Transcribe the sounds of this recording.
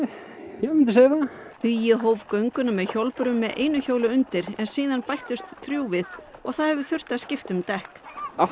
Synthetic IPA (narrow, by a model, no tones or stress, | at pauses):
jɛmɪnt̪ɪseːjɪahʏjɪɦoːwvkœɥŋkʏnamɛðçowlpʏɾʏmːɛðʔḛjnʏçowlʏʏnt̪ɪɾɛnsiːðanpajht̪ʏst̪θɾjuːwvɪðɔɣθaðhɛvʏ̥θʏr̥t̪aðscɪft̪ʏmt̪ɛhka